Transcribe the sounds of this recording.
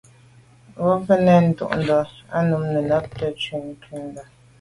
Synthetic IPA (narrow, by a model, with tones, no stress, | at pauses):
ɣɔ˦fə˦nɛ˨n̩˦tṵ˦ʔn̩˨dɔ˨a˦nu˨˦mnə˨na˦p̚tə˦t͡ʃɥi˨ŋ˨kʰi˨˦n̩˦da˨